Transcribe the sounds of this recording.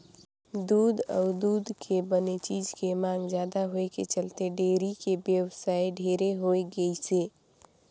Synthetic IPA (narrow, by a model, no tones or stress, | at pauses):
d̪uːd̪ɔ̰ʊd̪uːd̪kʰebənet͡ʃiːd͡ʒkemãːŋɡd͡ʒjaːd̪aɦoeket͡ʃəlt̪eɖeːɾikebjəwsaːijɖʱeɾeɦoeɡəiseː